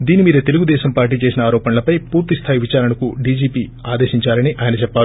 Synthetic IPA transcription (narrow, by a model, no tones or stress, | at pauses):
d̪iːnimiːɾɐt̪e̞luɡud̪ɛːʃɐmpaːɾʈ̬iːt͡ʃe̞ːsinɐaːɾɔːpɐnɐlɐpɐjpuːɾt̪ist̪ʰaːjiʋit͡ʃaːɾɐnɐkuɖiːd͡ʒiːpiːaːd̪e̞ːʃiɲt͡ʃaːɾɐniʔaːjɐnɐt͡ʃɛpːaːɾu